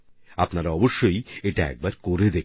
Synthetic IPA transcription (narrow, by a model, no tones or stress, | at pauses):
apnaɾaɔboʃːojeʈaɛ̰k̚baɾkoɾed̪e